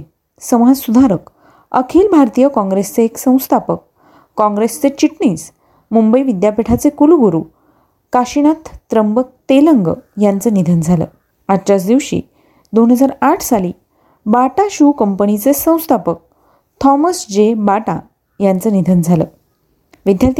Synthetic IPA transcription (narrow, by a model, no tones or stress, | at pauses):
səmad͡zsud̪ʱaɾək | əkʰiːlbʱaɾt̪ijəkɔ̃ŋɡɾest͡seːksə̃w̃st̪ʰapəkː | ɔ̃ŋɡɾest͡set͡ɕiʈɳiːs | mumbəiʋid̪japiʈʰat͡sekuluɡuɾu | kaɕinat̪ːɾəmbək̚t̪eləŋɡə̰jant͡sənid̪ʱənd͡zʱalə̰ː | at͡ɕat͡sd̪iʋɕḭː | d̪onɦəd͡zaɾaʈʰsaliː | baʈaɕukəmpənit͡sesə̃w̃st̪ʰapək̚ | t̪ʰɔməsd͡ʑebaʈa | jant͡səːnid̪ʱənd͡zʱalə̰ | ʋid̪jat̪